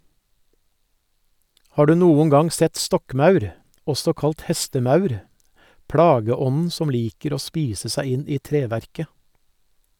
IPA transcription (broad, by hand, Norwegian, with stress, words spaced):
ˈhɑː ˈɖʉː ˈnuːʊŋ ˈɡɑŋ ˈsɛt ˈstɔkˌmɑʉɾ ˈɔsɔ ˈkɑlt ˈhɛstəˌmɑʉɾ ˈpɽɑːɡəˌɔnn̩ ˈsɔm ˈliːkəɾ ˈoː ˈspiːsə ˈsæɪ ˈɪn ˈiː ˈtɾeːˌʋæɾkə